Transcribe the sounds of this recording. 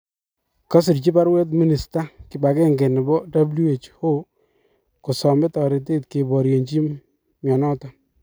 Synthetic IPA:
kɔ˦sɪ˨ɾt͡ʃi˦ba˦ɾwe˦t̬mi˦ni˨sta˦kɪ˨ba˨ke˦ŋɡe˨nɪ˨bɔ˦da˦blu˦e˨t͡ʃho˦ | ku˨sɔ˨mɪ˦tɔ˨ɾɪ˨t̬e˦tke˨bɔ˨ɾje˨ɲt͡ʃi˦ | mjɔ˨nɔ˦tɔ˨

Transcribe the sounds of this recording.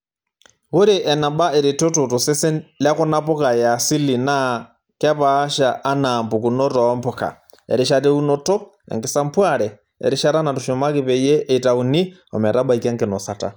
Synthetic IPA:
ɣo˦ɾe˨ʔɛ˨na˨ba˦e˨ɾe˨to˦to˨to˨se˦se˦lja˦ko˦na˦po˦ka˨jasi˦li˨na | ka˦paː˦ʃaʔːnambu˨kuno˦tɔ˦mpo˨ka̰˨ | ɛ̰˨ɾi˨ʃatɛ˦u˦noto˦ | ɛ̰˨ŋɡi˨sa˦mpwaɾɛ˨ | ɛ̰˨ɾi˦ʃa˦ɾa˦na˨tuʃo˨ma˦ke˨βɛ˨jɛ˦ɛ˨i˨ta˨u˨ni˦ | ɔ̰mɛ˨ɾa˦ba˦ikɛ˦ŋke˨no˨sa˨ta̰˨

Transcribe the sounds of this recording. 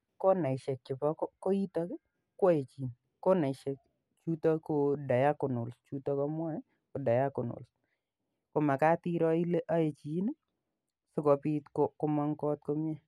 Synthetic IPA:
kɔ˦na˨ɪ˨ʃɛ˨k̚t͡ʃɪ˨pɔ˦kɔ˦ko˦i˦t̪a˦kɪ˦ | ka˦je˨t͡ʃi˨n | kɔ˦na˨ɪ˨ʃɛ˨k | t͡ʃu˦ta˦ko˨da˨ja˦kʊ˨nʊ˨lst͡ʃu˦ta˦kɔ˦mwa˦ɛ˦ | ko˨da˨ja˦kʊ˨nʊ̰˨ls | ko˨ma˨ka˦ti˦ɾɔ˦i˦le˦ʔa˦e˨t͡ʃi˨˦nɪ˦ | so˦kɔ˨pi˦t̪kɔkʊ˦ma˦ŋkɔ˦t̪̚ko˦mjɛ˦

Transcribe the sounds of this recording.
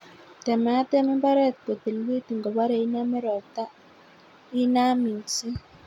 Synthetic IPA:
tɛ˨mɛ˨˦tɛ˦mɪ˦mba˦ɾɛ˦˨t̪̚ko˨t̪e˨lwi˦tu˨ŋɡɔ˨ba˦ɾɛ˨i˦na˦me˦ɾɔ˨ta˦ | i˦na˦mi˨si˦

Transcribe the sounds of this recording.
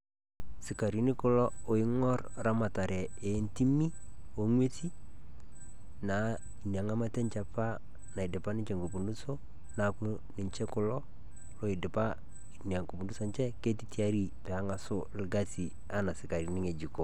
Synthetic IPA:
sɪ˨ka˨ɾi˨ni˦ko˦lɔ˦o˨i˦ŋɔ˦rɾa˦ma˨ta˨ɾɛ˨e˨nti˦mi˦ | o˨ŋwe˦ti˦ | na˨ | i˨nja˨ŋa˦ma˦tɛ˦ɲt͡ʃa˨pa˦ | na˨i˨dɪ˨pa˦nɪ˦ɲt͡ʃɛ˨ŋɡu˨pu˨ndu˦so˦ | na˨ku˦ | nɪ˨ɲt͡ʃɛ˦kʊ˨lɔ˦ | lo˦ɪ˨dɪ˨pa˦ | i˨nja˨ŋku˨pu˨ndu˦so˦ɲt͡ʃɛ˦ke˦ti˦ti˦a˦ɾi˦pɛ˨a˦ŋa˨so˦lɡa˦si˨ | a˨na˨sɪ˨ka˨ɾi˨ni˦ŋe˨d͡ʒi˨ko˨

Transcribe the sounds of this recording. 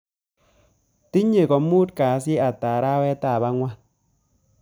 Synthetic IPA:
ti˦ɲe˨kɔ˨mu˦t̚kaː˨˦sɪ˦a˨ta˨ɾa˦wɛ˦ta˨ba˦ŋwa˦

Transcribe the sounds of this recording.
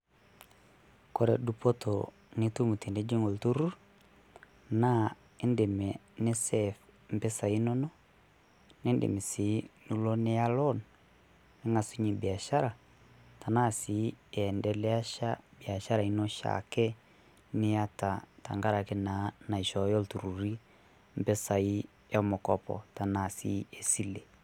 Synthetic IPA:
kɔ˦ɾɛ˨du˦pɔ˦tɔ | ne˦tu˦mu˨te˨nde˦d͡ʒe˦ŋɡo˨ltu˦ɾu˦ | na˦ | e˦nde˨mɛ˨ | ne˦sɛfm̩˨pɛ˦sa˨i˦nɔ˦nɔ˦ | ne˦ndḛ˨mi˨si˨˦nu˦lɔ˦ne˦a˦lɔ˦n | ne˦ŋa˨su˦ɲi˨bi˨a˨ʃa˦ɾa˨ | ta˨na˦˨si˨˦ɛ˨ɛ˨ndɛ˨lɛ˦a˦ʃa̰˦bi˨a˨ʃa˦ɾa˨i˦nɔ˦ʃa̰˨kɛ˦ | ne˦ja˦ta˨ta̰˨ŋɡa˦ɾa˨ke˦na˨˦na˨i˨ʃɔ˨jɔ˦ltu˨ɾu˨ɾi˦ | m̩˨bɛ˦sa˨i˦ | ja˦mo˨kɔ˦pɔ̰˨ta˨na˨sḭ˦e˨si˦le˨

